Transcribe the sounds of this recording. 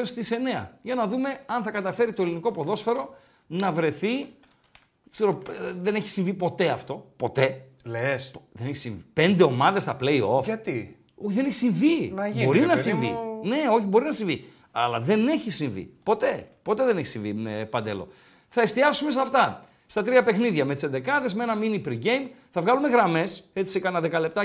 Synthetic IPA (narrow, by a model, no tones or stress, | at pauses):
st̪ise̞ne̞ɐ̰ʝɐnɐðume̞ɐnθɐkɐt̪ɐfe̞ɾit̪o̞eliniko̞po̞ðo̞sfe̞ɾo̞ | nɐvɾe̞θi | kse̞ɾo̞ðe̞ne̞çi̥siɱvipo̞t̪e̞ɐft̪o̞po̞t̪e̞ | lesðe̞neçisĩɱvipe̞nd̪e̞o̞mɐðe̞sθɐple̞io̞ft̪i | ðeneçi̥siɱvinbo̞ɾinɐsimvḭne̞o̞çibo̞ɾinɐsiɱvi | ɐ̰lɐðe̞ne̞çisiɱvḭpo̞t̪e̞po̞t̪eðe̞neçi̥siɱvḭmepɐnd̪e̞̰lo̞̰ | θɐest̪iɐsume̞s̬ɐft̪ɐ | st̪ɐt̪ɾiɐpe̞xniðʝɐmet̪isend̪ekɐðe̞zmeenɐminipɾiɡejm | θɐvɣɐlume̞ɣɾɐme̞se̞t͡si̥sekɐnɐðe̞kɐle̞p̚t̪ɐ